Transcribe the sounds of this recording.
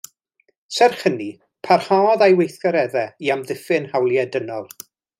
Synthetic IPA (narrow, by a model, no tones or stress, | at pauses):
sɛrχəni | pʰarhaːðajwejθkɔɾɛðɛiamðɪfɪnhawlˠjɛdənɔlˠ